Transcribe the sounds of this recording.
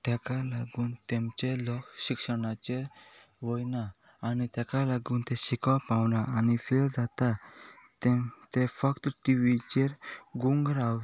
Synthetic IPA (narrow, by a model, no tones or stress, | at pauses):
t̪ɛkalaɡunt̪emt͡ʃelɔksikʃəɽ̃at͡ɕeɾ | ʋɔjnaː | nit̪ɛkalaɡunt̪esikapawnaːnipʰeld͡zat̪at̪et̪epʰəkt̪ʈiʋit͡ɕeɾɡuŋɡɾaw